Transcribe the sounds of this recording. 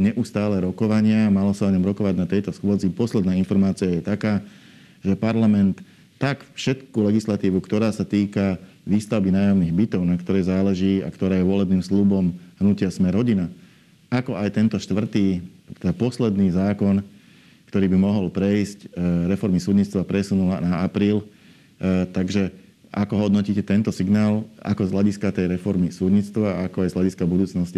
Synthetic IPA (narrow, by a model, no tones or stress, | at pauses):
ɲɛʔust̪aːlɛɾɔkɔʋaɲɪamalasaɔɲɔmɾɔkɔʋaɟnat̪ɛjt̪ɔsxʊɔd͡zipɔslɛd̪naːinfɔɾmaːt͡siajɛt̪akaː | ʒɛpaɾlamɛnt̪ː | akfʃɛt̪kulɛɡislat̪iːʋukt̪ɔɾaːsat̪iːka | ʋiːst̪aʊbinaːjaʊniːɣbit̪ɔʊnakt̪ɔɾɛːzaːlɛʒiːa̰kt̪ɔɾaːjɛʋɔlɛbniːmslubɔmɦnucɪasmɛɾɦɔɟina | akɔʔajt̪ɛnt̪ɔʃt̪ʋr̩t̪iːt̪ɛd̪apɔslɛd̪niːzaːkɔn | kt̪ɔɾiːbimɔɦɔlpɾɛjscɾɛfɔɾmisuːd̪ɲit͡st̪ʋapɾɛsunulanaapɾiːl | t̪aɡʒɛ | a̰kɔɦɔd̪nɔciːcɛt̪ɛnt̪ɔsiɡnaːla̰kɔzɦlaɟiskat̪ɛjɾɛfɔɾmisuːd̪ɲit͡st̪ʋaakɔajzlaɟiskabud̪uːt͡snɔsci